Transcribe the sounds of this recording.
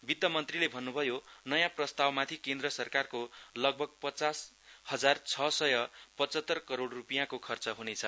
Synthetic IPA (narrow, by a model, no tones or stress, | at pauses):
bit̪ːʌmʌnt̪rilebʱʌnːubʱʌjonʌjãprʌst̪awmat̪ʰikend̪rʌsʌrkarkolʌɡ̚bʱʌɡ̚pʌt͡sas | hʌd͡zart͡sʰʌsʌjʌpʌt͡sʌt̪ːʌrkʌɾoɽrupijãkokʰʌrt͡sʌɦunet͡sʰʌ